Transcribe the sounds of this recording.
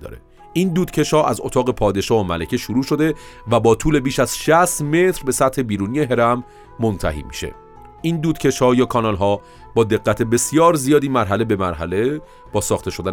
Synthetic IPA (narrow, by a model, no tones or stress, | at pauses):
d̪ɒ̰ːɾḛ | ʔiːnd̪uːd̪̥cʰe̞ʃhɒːʔæzo̰t̪ʰɒːɣe̞pʰɒːd̪e̞ʃɒːhomælæcʰeʃuɾuːʃo̞d̪e̞væbɒːt̪ʰuːle̞biːʃæz̥ʃæst̪me̞t̪ɾbe̞sæt̪he̞biːɾuːnije̞ɦe̞ɾæmː | o̞nt̪ʰæ̰ɦḭːmḭʃḛ | ʔiːnd̪uːd̪cʰe̞ʃhɒːjɒːkʰɒnɒːlɦɒː | bɒːd̪e̞ɡːæt̪ʰe̞be̞sijɒːɾzijɒːd̪iːmæɾɦæle̞be̞mæɾɦæle̞ | b̥ɒːsɒːxt̪e̞ʃo̞d̪æ